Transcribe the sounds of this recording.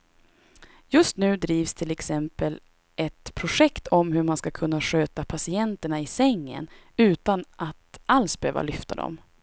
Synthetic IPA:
jɵst̪nʉ̟ːd̪ɾiːvst̪ʰɪlɛksɛmpəl | ʔɛt̪pʰɾʊʂɛkt̪ʰɔmhɵɾmanskakʰɵnːaɧøːt̪apʰasɪɛnt̪əɳaɪsɛŋːə̰n | ʉ̟ːt̪anʔat̪alsbɛhø̰ːva̰lʏft̪ʰa̰d̪ɔ̰m

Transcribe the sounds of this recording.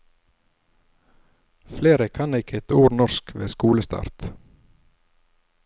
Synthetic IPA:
fleːɾəkʰɑnɪkʰɛt̪uːɾnɔskʋḛːskuːləst̪ɑ̰ːɾt̪

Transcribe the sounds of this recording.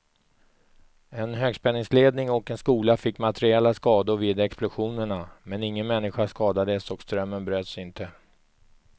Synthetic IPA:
ɛnɦøːɡspɛnːɪŋsleːd̪nɪŋɔkɛnskuːlafɪkːmat̪ɛɾɪɛlːaskɑːd̪ʊɾviːd̪ɛksplʊɧuːnəɳamɛnɪŋːənmɛnːɪɧaʂkɑːd̪ad̪əsɔkst̪ɾœmːənbɾøːt̪sɪnt̪ə

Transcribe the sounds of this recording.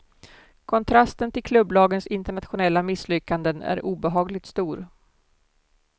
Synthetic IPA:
kʰɔnt̪ʰɾast̪ənt̪ʰɪlkʰlɵbːlɑːɡənsɪnt̪əɳat̪ɧʊnɛlːamɪslʏkːand̪ənæ̰ɾuːbɛɦɑːɡlɪt̪st̪uːɾ

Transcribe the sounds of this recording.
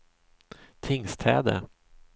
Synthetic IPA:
t̪ʰɪŋst̪ʰɛ̰ːd̪ə̰

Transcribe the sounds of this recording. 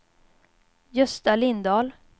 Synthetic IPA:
jɵst̪alɪnd̪ɑːl

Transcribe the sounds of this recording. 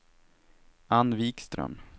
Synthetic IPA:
anviːkst̪ɾœ̰m

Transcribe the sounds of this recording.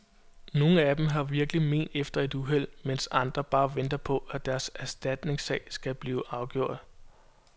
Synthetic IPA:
no̝ːn̩æd̥emɦɑ̈ʋiɐɡ̥lime̝̰ːnd̥efd̥ɐe̝d̥uɦel̰mensɑ̈nd̥ʁɐb̥ɑ̈ːʋend̥ɐpʰɒ̽ʔæd̥æɐsæɐsd̥æd̥ne̝ŋsɛːɪsɡ̥æb̥liːʊɑ̈ʊɡ̥jo̝ɐ̰d̥

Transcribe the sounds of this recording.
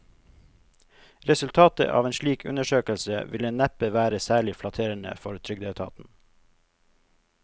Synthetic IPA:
ɾɛsʉlt̪ʰɑːt̪ə̰ʔɑ̰ːʋeːnʃliːkʉ̰nəʃøːkəlsəʋɪlənæpəʋæːɾəsæːɭɪflɑt̪ʰeːɾəɳə̰fɔɾt̪ʰɾʏɡd̪eːt̪ʰɑ̰ːt̪n̩

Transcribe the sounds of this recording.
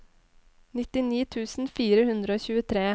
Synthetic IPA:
nɪt̪ɪniːt̪ʰʉːsn̩fiːɾəhʉnd̪ɾəoːçʉːət̪ʰɾeː

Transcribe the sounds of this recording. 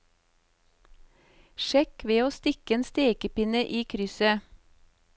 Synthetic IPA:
ʃɛkʋeːoːst̪ɪkəeːnst̪eːkəpɪnəʔiːkʰɾʏsə

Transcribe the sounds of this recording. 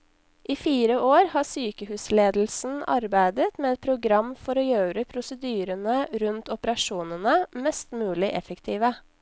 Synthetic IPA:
ʔiːfiːɾəoːɾhɑːsyːkəhʉːsleːd̪l̩sn̩ɑ̰ɾbæɪd̪ət̪meːɛt̪̚pʰɾʊɡɾɑmfɔɾoːjøːɾəpʰɾʊsəd̪yːɾənəɾʉnt̪ɔpəɾɑʃuːnənəmɛst̪mʉːlɪʔɛfəkt̪ʰiːʋə

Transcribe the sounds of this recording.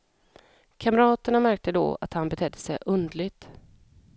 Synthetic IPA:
kʰaməɾɑːt̪əɳamæɾk̚t̪əd̪o̰ːa̰t̪hanbɛt̪ʰɛd̪ːəsɛjʔɵnd̪lɪɡ̚t̪

